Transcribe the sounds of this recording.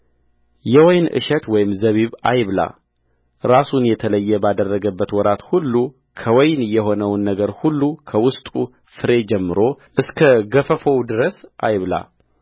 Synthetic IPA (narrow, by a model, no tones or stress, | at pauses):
jɛwɔjnʔɨ̰ʃɛt̪wɔjɪmzəβiβajβla̰ | ɾasunjɛt̪ʰələjːɛbad̪ərːəɡəbːət̪wɔɾat̪hulːu | kʰəwɔjnjɛɦo̞nəwnːəɡəɾhulːukʰəwʊst̪ʼu | fɨɾe̞d͡ʒɛmːɨɾo̞ʔɨskʰəɡəfəfowd̪ɨɾəsʔajβla̰